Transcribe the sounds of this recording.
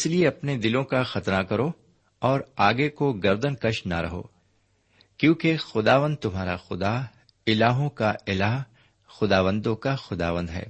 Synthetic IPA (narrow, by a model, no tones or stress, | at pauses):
ɪslieɐpned̪ɪlõkaxɐt̪ɾakɐɾo | ɔːɾaːɡekoɡɐɾd̪ənkɐʃnaɾɐɦo̰ː | kjõːkexʊd̪aːʋə̃nd̪̚t̪ʊmɦaːɾa̰xʊd̪a | ɪlaːɦõkaɪlaːɦ | xʊd̪aːʋə̃nd̪õkaxʊd̪a̰ːʋə̃nd̪ɦɛ̰ː